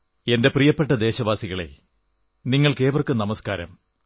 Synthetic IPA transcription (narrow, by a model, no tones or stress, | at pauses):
e̞nde̞prijɐpːeʈːɐd̪e̞ːɕɐʋaːsiɣɐɭe̞̰ | niŋːɐɭke̞ːʋɐrkːɨnɐmɐskaːɾɐ̰m